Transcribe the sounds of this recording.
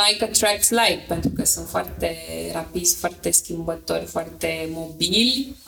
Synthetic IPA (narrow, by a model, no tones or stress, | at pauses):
ajkət̪ɾakslajk̚pent̪ɾukəsə̃fwa̰ɾt̪eɾapid̪sfwaɾt̪eskimbat̪oɾʲfwaɾt̪emobil